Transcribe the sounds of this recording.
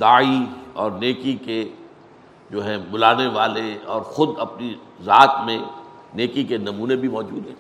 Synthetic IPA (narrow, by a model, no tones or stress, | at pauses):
d̪aːiɔːɾneːkike | d͡ʒoːɦɛ̃bʊlaːneʋaːleɔːɾxʊd̪ɐpni | zaːt̪mẽ | neːkikenɐmuːnebʱimɔːd͡ʒuːd̪ɦɛ̃ː